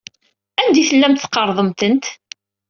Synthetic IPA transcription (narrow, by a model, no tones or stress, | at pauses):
ænd̪iθəlːæmt̪θqːɑɾˤðˤəmt̪ənt̪